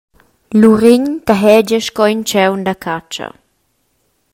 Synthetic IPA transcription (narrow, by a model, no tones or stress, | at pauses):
luɾiɲt̪aɦɛd͡ʒəʃkɔint͡ʃɛwndakʰat͡ʃɐ̰